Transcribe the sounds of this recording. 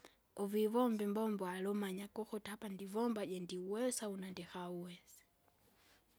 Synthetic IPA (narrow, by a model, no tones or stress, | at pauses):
ɔvivɔmbɛmbɔmbɔalɔmaɲakɔxɔtapandivɔmbaɟɛndiuwɛsaunandɛxauwɛsɛ̥